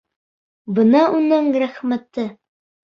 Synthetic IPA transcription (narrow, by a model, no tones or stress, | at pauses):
bɤ̆nɑunɤŋɾæχmæt̪ɘ